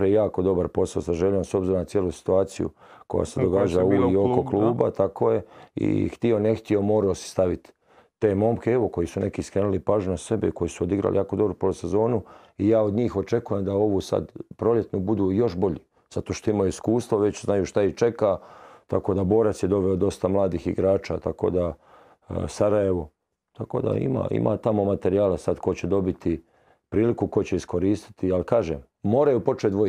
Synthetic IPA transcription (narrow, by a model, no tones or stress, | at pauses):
ɾajejaːko̞d̪o̞baɾpo̞saosaʒeʎomso̞bziɾonat̪jelusi̥t̪uaːt̪sḭjṵkoja̰ːsed̪oɡaːd͡ʒaluiokoklˠuːbat̪akoje̞ḭxt̪ione̞xt̪io̞mo̞ːɾaosi̥st̪aʋit̪ː | eːmo̞mkeeʋo̞ko̞jisune̞kiskɾeːnulipaːʒɲunase̞beiko̞jisuod̪iɡɾa̰lʔijaːkod̪o̞bɾupose̞zo̞ːnu | ijaːo̞d̪ɲiːxo̞t͡ʃe̞kuje̞md̪ao̞ʋusa̰d̪pɾo̞lje̞t̪nubud̪uːjo̞ʃbo̞ʎi | z̥at̪oʃt̪oimaiskuːst̪ʋoʋet͡ɕznajuːʃt̪ait͡ʃe̞kat̪ako̞ːd̪abo̞ːɾat̪sjed̪o̞ʋeod̪o̞st̪amlˠaːd̪iːxḭɡɾaːt͡ʃa̰ːt̪ako̰d̪a | saɾajeʋo̞ | t̪ako̰ːd̪a̰ḭma̰ːʔḭma̰ːt̪amo̞mat̪e̞ɾijaːlasad̪ko̞t͡ɕed̪o̞bit̪i | pɾiːlikuko̞t͡ɕe̞isko̞ɾiːst̪i̥t̪ialkaːʒeːmːo̞ːɾajupo̞t͡ʃet̪d̪ʋo